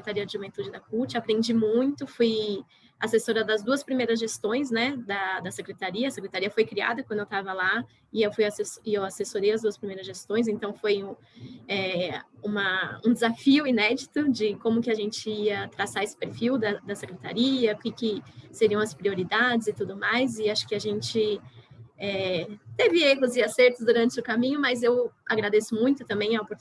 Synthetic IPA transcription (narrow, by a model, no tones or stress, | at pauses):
sekɾet̪aɾiɐd͡ʒɪʒuvẽnt̪ud͡ʒɪd̪ɐkuɾt͡ʃɪapɾẽnd͡ʒimũj̃t̪ʊfuj | asesoɾɐd̪ɐzd̪uɐspɾimejɾɐzʒest̪õj̃snɛd̪ɐd̪ɐsekɾet̪aɾiɐɐsekɾet̪aɾiɐfojkɾia̰d̪ɐkwɐ̃nd̪ewt̪avɐla | ɪewfujasesɪewasesoɾejɐzd̪uɐspɾimejɾɐzʒest̪õj̃s̬ẽt̪ɐ̃w̃fojũ | ɛũmɐũd̪ɪzafiʊinɛd͡ʒit̪ʊd͡ʒɪkõmʊkɪaʒẽnt͡ʃɪiɐt̪ɾasaɾesɪ̥peɾfiwd̪ɐd̪ɐsekɾet̪a̰ɾiɐʊkɪkɪseɾiɐ̃w̃ɐspɾioɾid̪ad͡ʒɪzɪt̪ud̪ʊmajzɪaʃʊ̥kɪaʒẽnt͡ʃɪ | ɛt̪evɪeɦʊzɪaseɾt̪ʊzd̪uɾɐ̃nt͡ʃɪʊkamĩɲʊmɐzewaɡɾad̪esʊmũj̃t̪ʊt̪ɐ̃mbẽj̃ɐpoɾ